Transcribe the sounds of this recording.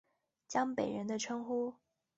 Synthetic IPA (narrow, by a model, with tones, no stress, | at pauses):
t͡ɕjɑ˥ŋpe˨˩ɪɻə˧˥nd̪ə˧ʈ͡ʂʰɤ˥ŋxu˥